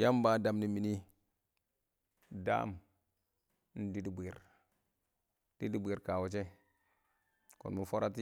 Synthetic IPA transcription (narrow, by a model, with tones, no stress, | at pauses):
ja˦mba˨˦da˨mni˨mi˨ni˦ | da̰ː˦˨m | n̩˦di˦di˨be˨ɾ | d̥i˦di˦be˨ɾka˨wo˨t͡ʃe˦ | ko̰˨nmu˨fo˦ɾa˦ti˦